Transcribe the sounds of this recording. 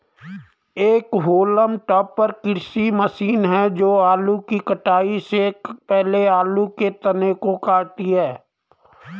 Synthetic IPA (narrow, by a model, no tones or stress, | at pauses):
eːkɦoːləmʈɔːpːəɾkɪɾsiməʃiːnɦɛd͡ʒoːaːlukikəʈaːisekpɛɦleaːluket̪ɐneːkokaːɾt̪iɦɛː